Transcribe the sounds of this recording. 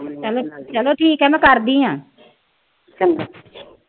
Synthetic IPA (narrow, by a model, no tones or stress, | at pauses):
t͡ʃəloːʈʰiːkt͡ʃəloːʈʰiːkɛːmɛ̃ːkəɾd̪iːɦãː | t͡ʃəl